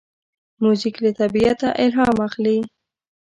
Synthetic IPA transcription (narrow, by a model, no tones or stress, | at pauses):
muziklət̪abiat̪aʔɪlɦɑmaxli